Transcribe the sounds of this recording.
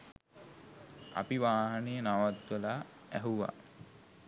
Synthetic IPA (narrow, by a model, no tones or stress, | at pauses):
a̰piʋaːɦanejənaʋat̪ʋəla | æɦuʋa̰